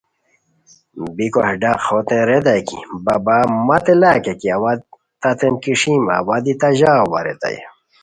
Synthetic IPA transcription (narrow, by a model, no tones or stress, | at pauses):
bikohɖaqxot̪ẽɾed̪akibabamɐt̪elaːkekiawa | t̪at̪enkiʂima̰wad̪it̪aʑaːwa̰ɾḛt̪a̰jḛ